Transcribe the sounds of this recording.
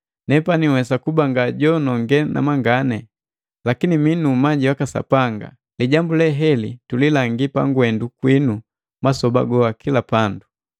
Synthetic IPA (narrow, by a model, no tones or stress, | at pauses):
nɛpaniwɛsakubaŋɡaɟɔnɔŋɡɛna̰maŋɡanɛ | lakiniminumaɟiwakasa̰paŋɡa̰ | liɟambulɛɦɛlitulilaŋɡipaŋɡwɛndukwinu | masɔba̰ɡɔakʰilapandu